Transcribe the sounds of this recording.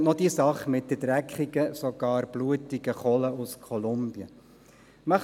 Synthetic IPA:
nɔd̥isɑχmɪt̚dəd̥ɾækχiɡ̥əsɔɡ̥ɑːɾb̥luətiɡəχɔləʔuskʰɔlʊmb̥jə̰ | mɑχ

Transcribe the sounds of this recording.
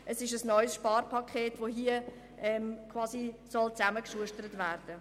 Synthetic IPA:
ʔəsɪʃəsnɔʏsʃpɑːɾpʰɑkʰχeːtvoɦiːə | ʔɛmkʰvɑːsisɔlt͡sæməkʃuəʃtəɾətværd̥ə

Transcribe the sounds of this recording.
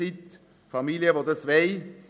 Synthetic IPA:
ɪt̪ | fɑmiːljəʋod̪əsʋɛɪ

